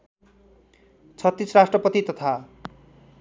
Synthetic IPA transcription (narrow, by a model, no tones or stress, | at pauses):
t͡sʰʌt̪ːisrasʈrʌpʌt̪it̪ʌt̪ʰa